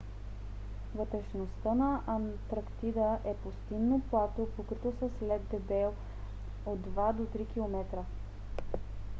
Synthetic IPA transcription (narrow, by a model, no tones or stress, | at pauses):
vət̪ɾɛʃnost̪ənɐʔɐnt̪ɾɐkt̪id̪əʔɛpost̪inːoplˠat̪opokɾit̪osəslɛd̪d̪ɛbɛlˠ | od̪ːvad̪ot̪ɾik̟ilˠomɛt̪ɾə